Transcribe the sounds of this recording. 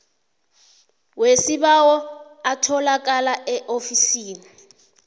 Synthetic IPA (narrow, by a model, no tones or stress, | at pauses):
wesiɓawɔatʰɔlak̬alaʔɛʔofisiːni